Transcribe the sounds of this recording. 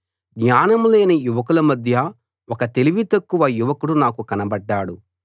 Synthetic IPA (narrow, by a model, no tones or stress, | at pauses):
ɡɲaːnɐmleːnijuʋɐkulɐmɐd̪ʱjɐ | wɔkɐt̪e̞liʋit̪ɐkːuʋɐjuʋɐkuɽunaːkukɐnɐbɐɖːaːɽu